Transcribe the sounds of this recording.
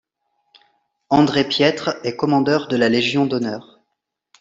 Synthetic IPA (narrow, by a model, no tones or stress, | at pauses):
ɑ̃d̪ʁepjɛt̪χɛkɔmɑ̃d̪œʁd̪əlaleʒjɔ̃d̪ɔnœːʁ